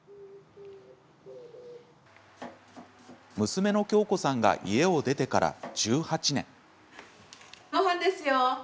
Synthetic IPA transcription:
mɯ̟sɨme̞no̞kʲo̞ːko̞sãŋɡa̰ʔḭe̞o̞d̪e̞t̪e̞kaɾa̰d͡ʑ̥ɨːhat͡ɕinẽ̞̰ŋ | moɦãnd̪esɨjo

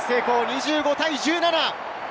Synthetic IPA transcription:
seːko̞ːɲ̟iʑɨːɡo̞t̪aiʑɨːnana

